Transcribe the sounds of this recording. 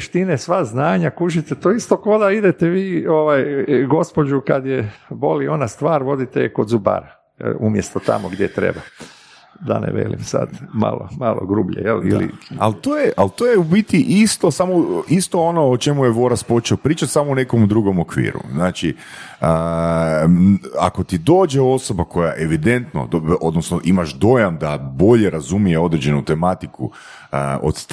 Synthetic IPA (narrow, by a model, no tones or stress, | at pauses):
ʃt̪inesʋaznaːɲakuʒit̪et̪oist̪o̞kod̪aid̪et̪eʋiːoʋajɡo̞spo̞d͡ʒukad̪jebo̞lio̞nast̪ʋaːɾʋo̞d̪it̪ejko̞d̪zuba̰ɾa | umjest̪ot̪a̰moɡd̪ʲjḛt̪ɾe̞̰ba | d̪a̰nḛʋḛlḭmsa̰d̪ma̰lo̰malˠo̰ɡɾuːbʎejelḭlḭalt̪ojeʔalt̪oːjeubit̪iʔist̪osamoist̪o̞ono̞ot͡ʃe̞mujeʋo̞ɾaspo̞t͡ʃeopɾiːt͡ʃat̪ʲsamoune̞ko̞md̪ɾuɡo̞mokʋḭːɾṵznaːt͡ʃi | ə | a̰kot̪id̪o̞ːd͡ʒeo̞so̞bako̞jaʔe̞ʋid̪e̞nt̪no̰o̞d̪nosnoʔimaʒd̪o̞jamd̪abo̞ʎeɾazumijeo̞d̪ɾed͡ʒe̞nut̪e̞mat̪ikṵ | əʔo̰t̪st̪